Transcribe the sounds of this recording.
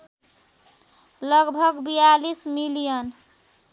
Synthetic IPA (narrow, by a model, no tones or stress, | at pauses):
lʌɡbʱʌɡbijalismilijən